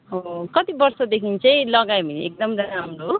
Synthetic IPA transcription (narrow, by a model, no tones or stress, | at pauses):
okʌt̪ibʌrsʌd̪ekʰint͡sʌĩlʌɡajbʱiniek̚d̪ʌmɾʌnaɦmɾo